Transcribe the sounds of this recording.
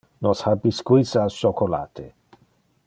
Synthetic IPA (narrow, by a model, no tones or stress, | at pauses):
nɔshabiskwisaʃokola̰t̪ʰe